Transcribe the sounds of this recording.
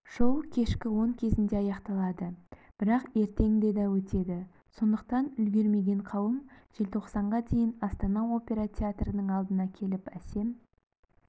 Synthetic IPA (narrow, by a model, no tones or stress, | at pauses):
ʃowkʲʰe̞ʃkʲɪwo̞ŋkʲʰe̞zɪnd̪e̞ɑjɑqt̪ɑlˠɑd̪əb̥ɪɾɑqe̞ɾt̪e̞ŋd̪e̞d̪ɑwɵt̪e̞d̪ɪ | so̞nd̪əq̚t̪ɑnʏlɡʲe̞ɾme̞ɡʲe̞ɴqʰɑwəmʒ̥e̞lt̪ʰo̞qsɑɴʁɑd̪e̞jɪnɑst̪ɑnɑo̞pʲe̞ɾat̪ʲʰeat̪rənəɴɑlˠd̪ənɑkʲʰe̞lɪpæse̞m